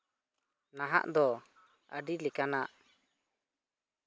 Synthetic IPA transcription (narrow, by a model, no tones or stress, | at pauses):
naɦa̰ʔd̪ɔ | əɖilɛkanaʔ